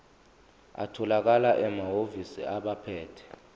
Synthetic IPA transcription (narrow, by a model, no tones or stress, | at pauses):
a̰tʰɔlak̬alaʔɛmaɦovisḭaɓapʰɛːtʰɛ̥